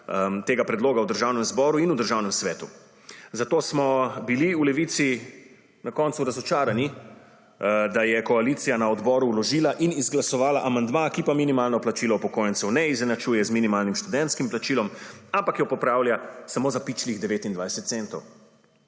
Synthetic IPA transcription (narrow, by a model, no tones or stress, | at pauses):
t̪eːɡapɾɛd̪loːɡawd̪əɾʒawnɛmzbɔːɾuinud̪əɾʒawnɛmsʋɛːt̪u | zat̪oːsmɔbiliulɛʋit̪si | nakɔnt̪suɾazɔt͡ʃaːɾani | d̪ajɛkɔaliːt̪sijanaɔd̪bɔɾuːlɔʒiːlaʔinizɡlasɔʋaːlaʔamand̪makipaminimaːlnɔplat͡ʃilɔupɔkoːjɛnt̪sɛwnɛizɛnat͡ʃujɛzminimaːlnimʃt̪ud̪ɛ̃nt̪skimplat͡ʃilɔmampakjɔpɔpɾawljasamoːzapit͡ʃliɣd̪ɛʋeːt̪ind̪ʋajsɛt̪t̪sent̪ɔw